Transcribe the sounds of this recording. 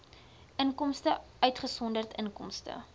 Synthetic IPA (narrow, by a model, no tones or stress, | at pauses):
ʔəŋkɔmstəʔœɥtχəsɔndərtəŋkɔ̰mstə̰